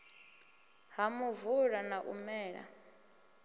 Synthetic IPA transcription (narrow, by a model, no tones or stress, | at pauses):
ɦamuvuɺanaʔṵmɛːɺa̰